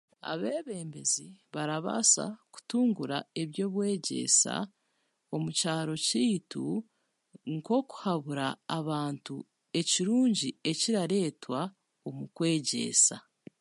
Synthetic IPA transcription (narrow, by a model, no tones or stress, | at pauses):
a̰βe̞ːβe̞ːmbe̞ziβaɾaβa̰sa̰ku̥tuːŋɡuɾa̰e̞βjo̞ːβwe̞ːɟe̞̰sa̰ | o̞mucaːɾo̞ciːtu | ŋko̞ku̥haβuɾaːβaːntu | e̞ciɾuːɲɟie̞ciɾaɾe̞ːtwa | omukwe̞ːɟe̞̰sa̰